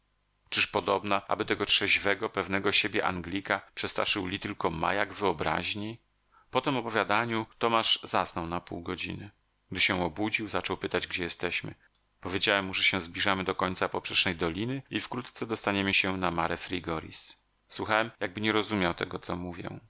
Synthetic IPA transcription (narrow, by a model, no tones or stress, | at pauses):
t͡ʂɘʂpɔd̪ɔbnaʔa̰bɘt̪ɛɡɔtʂɛʑvɛɡɔpɛvnɛɡɔɕebʲjɛʔa̰ŋɡlʲikapʂɛst̪ɾa̰ʂɘwlʲit̪ɘlkɔma̰jaɡvɘɔbɾa̰ʑɲe | pɔt̪ɘmɔpɔvʲjad̪aɲut̪ɔmaʐzasnɔwnapṵwɡɔd͡ʑḭnɘ | ɡ̚d̪ɘɕɛɔbud͡ʑiwzat͡ʂɔwpɘt̪ad͡ʑɡd͡ʑɛjɛst̪ɛɕmɘ̰ | pɔvʲjed͡ʑawɛmːuʐɛɕɛ̃zblʲiʐamɘd̪ɔkɔɲt̪sapɔpʂɛʂnɛjd̪ɔlʲinɘifkɾut̪t̪sɛd̪ɔst̪aɲɛmɘɕɛnamaɾɛfɾʲiɡɔɾʲḭs | swuxawɛmjaɡ̚bɘɲɛɾɔzumʲjawt̪ɛ̰ɡɔt̪sɔmuvʲjɛ̰